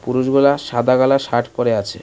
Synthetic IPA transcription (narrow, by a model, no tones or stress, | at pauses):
puɾuʃɡulaʃad̪ʱaɡalaʃaʈʰpɔɾeat͡ɕʰḛ